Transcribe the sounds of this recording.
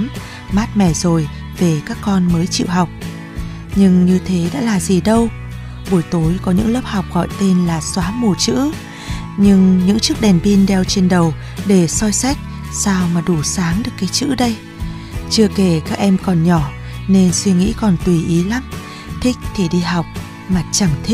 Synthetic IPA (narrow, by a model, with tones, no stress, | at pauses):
m | maː˦˥t̚mɛ˧˩zo˨˩j | ve˨˩kaː˦˥kːɔ˧nməː˨˦jt͡ɕḭ˧˨wɦa˨˩wk͡p̚ | ɲɨ˧ŋɲɨ˧t̪ʰe˨˦ɗa̰ː˧˥laː˨˩zi˨˩ɗə˧w | ɓu˧˩jt̪o˨˦jkɔ˨˦ɲɨ̰˧˥ŋləː˦˥p̚ha˨˩wk͡p̚ɣɔ̰˧˨jt̪e˧nlaː˨˩swaː˨˦mu˧˩t͡ɕɨ̰˧˥ | ɲɨ˧ŋɲɨ̰˧˥ŋt͡ɕɨ˦˥k̚ɗɛ˨˩nɓi˧nɗɛ˧wt͡ɕe˧nɗə˨˩w | ɗe˧˩sɔ˧jsa˦˥k̚ | saː˧wmaː˨˩ɗu˧˩saː˨˦ŋɗɨ˨˩əkːaː˨˦jt͡ɕɨ̰˧˥ɗə˧j | t͡ɕɨ˧əke˧˩kaː˦˥k̚ʔɛ˧mkɔ˨˩nɲɔ˧˩ | ne˧nswi˧ŋḭ˧˥kɔ˨˩nt̪wi˨˩ʔi˨˦la˨˦m | t̪ʰï˦˥k̟̚t̪ʰi˧˩ɗi˧ɦa˨˩wk͡p̚ | maː˨˩t͡ɕa˧˩ŋt̪ʰi˦˥k̚